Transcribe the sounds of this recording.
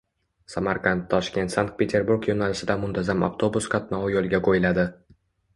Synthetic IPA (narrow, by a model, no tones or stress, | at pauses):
samaɾqant̪ʰːɒʃkʲe̞nt̪saŋk̚t̪̚pʰʲe̞t̪ʰe̞ɾbuɾkjonalɪsɪd̪amʊnt̪ʰazama̰ft̪ʰo̞buskʰat̪nɒajolˠɡʲakʰojɪlad̪ɪ